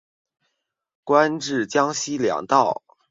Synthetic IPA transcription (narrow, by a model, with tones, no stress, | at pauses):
kwa˥nʈ͡ʂɻ̩˥˩t͡ɕjɑ˥ŋɕi˥ljɑ̰˨˩ŋt̪ɑ˥˩ʊ